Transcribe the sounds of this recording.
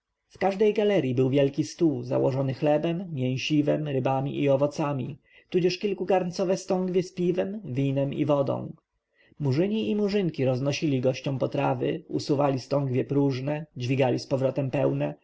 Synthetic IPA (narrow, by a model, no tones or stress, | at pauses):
fkaʐd̪ɛjɡalɛɾʲjibɘwvʲjɛlkʲist̪uza̰wɔʐɔnɘxlɛbɛmːʲjɛ̃w̃ɕivɛmɾɘbamʲḭʔiɔvɔt̪samʲi | t̪ud͡ʑɛʂkʲilkukaɾnt̪sɔvɛst̪ɔŋɡvʲjɛspʲivɛmvʲinɛmḭvɔd̪ɔ̰̃w̃ | muʐɘɲiimuʐɘŋkʲiɾɔznɔɕilʲiɡɔɕt͡ɕɔ̃w̃pɔt̪ɾavɘ̰usuvalʲist̪ɔŋɡvʲjɛpɾuʐnɛd͡ʑvʲiɡalʲispɔvɾɔt̪ɛmpɛwnɛ